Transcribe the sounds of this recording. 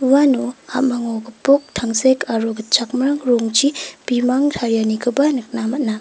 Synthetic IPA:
uwanuha̰t̚maŋoɡɐpok̚tʰaŋsekʰaɾoɡɐt͡ʃak̚maɾaŋɾuŋt͡ʃib̥imaŋtʰaɾjanikʰɯbanɯk̚namat̚na

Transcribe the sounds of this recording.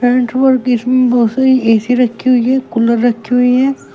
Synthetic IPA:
pɛ̃ːɳʈbəɾkɪsmẽbɔɦʊt̪saɾieːsiɾɐkʰːiɦʊiɦɛːkʊləɾːɐkʰːiɦʊiɦɛː

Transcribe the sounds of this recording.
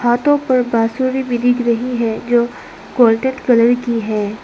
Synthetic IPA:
haːt̪õpɐɾbaːsuːɾibʱid̪ɪkɾɐɦiɦɛd͡ʒoː | koːlʈeʈkɐləɾkiɦɛː

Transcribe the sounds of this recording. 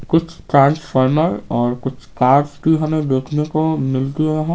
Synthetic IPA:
kʊt͡ʃʰʈɾãːnsfʰəɾməɾɔːɾkʊt͡ʃʰkaːɾskiɦɐmẽbeːkʰnekomɪlt̪iɦɛ̃

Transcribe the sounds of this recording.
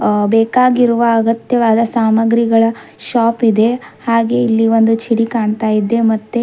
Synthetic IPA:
beːkaːɡiɾuʋɐːɡɐt̪jɐʋaːd̪ɐsaːmɐɡɾiɡɐɭɐʃaːpid̪e̞haːɡe̞ilːiʋo̞nd̪ut͡ʃʰiɽikaːɳt̪aːjid̪ːe̞mɐt̪ːe

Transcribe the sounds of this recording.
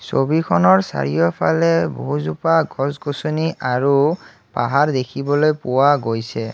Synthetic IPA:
so̰bikʰɔnɔɹsa̰ɹijɔpʰalɛboɦuzupaɡʱɔzkosoniaɹu | paɦaɹd̪ekʰibɔlojpʊwaɡojsɛ

